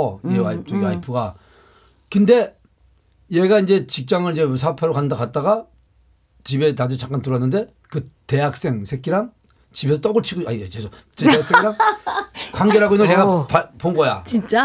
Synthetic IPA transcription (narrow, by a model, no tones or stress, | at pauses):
aiaipʰuɡa | kɯnde̞ | je̞ɡaind͡ʑe̞t͡ɕik̚t͡ɕ͈aŋɯɾid͡ʑe̞sʰapʰaɾokanɯndakat̚t͈aɣa | t͡ɕibenad͡ʑɯt͡ɕak͈antɯɾʌnːɯnde̞ | kɯte̞jak̚s͈e̞ŋsʰek͈iɾaŋ | t͡ɕibe̞sʰʌt͈oɡɯɭt͡ɕʰiɡoaiesʰʌ | teaksekɾaŋ | kwaŋɡe̞ɾɦaɡoinːɯneɣapapoŋɡʌja̰t͡ɕint͡ɕ͈a